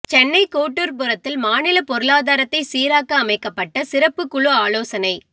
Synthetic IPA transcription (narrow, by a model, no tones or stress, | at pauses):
t͡ʃɛnːɐɪkoːʈːuɾpʊɾɐt̪ːɪlmaːnɪlɐpɔɾɯɭaːðaːɾɐt̪ːɐɪsiːɾaːkɐːmɐɪkːɐpːɐʈːɐsɪɾɐpːɯkːʊɭuaːloːsɐnɐɪ